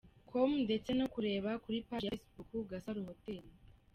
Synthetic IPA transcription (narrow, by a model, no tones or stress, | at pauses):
kʰomnde̞t͡se̞nokuɾe̞ːβakuɾipajasbukuɡasaɾuhotel